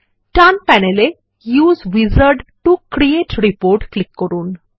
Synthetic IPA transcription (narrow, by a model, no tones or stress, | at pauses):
ʈanpænele | juːzʋizəɾɖʈukɾieʈɾipoːɾʈklikːɔɾuːn